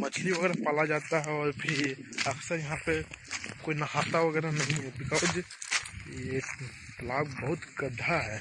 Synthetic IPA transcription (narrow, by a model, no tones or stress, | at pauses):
mət͡ʃʰliʋəɡɛɾapalad͡ʒat̪aɦɛɔːɾpʰɪɾəksəɾjɐɦãpekoinakʰat̪aʋəɡɛɾanəɦĩɦɛbɪkad͡ʒ | e | t̪əlaːbbəɦʊt̪kəd̪ʱaɦɛ